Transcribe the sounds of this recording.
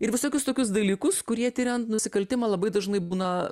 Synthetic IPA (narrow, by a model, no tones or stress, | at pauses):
ɪɾʋʲɪsoːkʲʊst̪oːkʲʊsd̪ɐlʲiːkʊskʊɾʲiɛt̪ʲɪɾʲɛnt̪nʊsʲɪkɐlʲt̪ʲɪmɐːlˠɐbɐɪd̪ɐʒnɐɪbuːnɐ